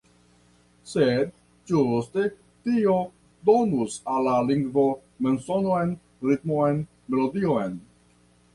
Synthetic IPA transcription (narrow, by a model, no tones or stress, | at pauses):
sed̪̚ | d͡ʒust̪e | tio̞ | d̪o̞nusalːaliŋɡvo̞ | mensonoen | ɾit̪moen | me̞lodioen